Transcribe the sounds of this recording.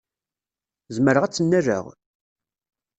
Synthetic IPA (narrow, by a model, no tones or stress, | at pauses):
zməɾəʁæt͡sːənːæɾə̰ʁ